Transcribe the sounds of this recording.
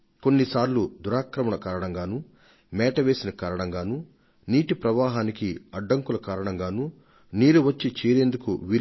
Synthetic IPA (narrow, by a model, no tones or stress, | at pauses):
ko̞nːisaːɾlud̪uɾaːkɾɐmɐɳɐkaːɾɐɳɐŋɡaːnu | mɛːʈɐʋe̞ːsinɐkaːɾɐɳɐŋɡaːnu | niːʈipɾɐʋaːɦaːnikiɐɖːɐŋkulɐkaːɾɐɳɐŋɡaːnu | niːɾuʋɐt͡ʃːit͡ʃeːɾe̞ːnd̪ukṵʋi